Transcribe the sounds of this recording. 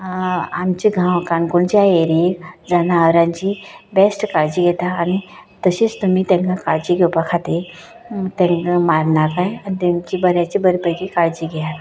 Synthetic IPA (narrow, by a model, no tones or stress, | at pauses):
amt͡ɕiɡʱãwkãnkuɳt͡ɕiaeɾid͡zanaəɾãɲt͡ɕiːbesʈkaɭd͡ʑiːɡʱɛt̪aːñit̪əɕiːt͡st̪um̤iːt̪ẽŋkakaɭd͡ʑiːɡʱewpakʰat̪e | t̪ẽŋkamaɾnakajanit̪emt͡ɕiːbəɾjat͡ɕibəɾbəɡikaɭd͡ʑiːɡʱɛjat̪